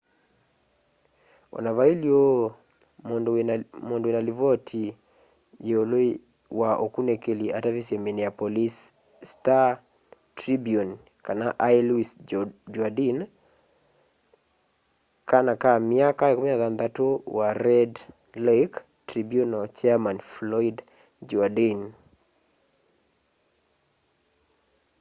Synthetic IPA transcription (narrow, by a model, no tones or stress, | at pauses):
o̰navailjo | momondoinalivɔtʰi | jeolo | waʔokunekeliatavisemineapolis | sta | tɾibion | kanaʔailisd͡ʒadin | kanakamɪakaɛkomɲaðand̪atowaɾɛd | lek | tɾibionot͡ʃɛmanflɔid | d͡ʒɔadin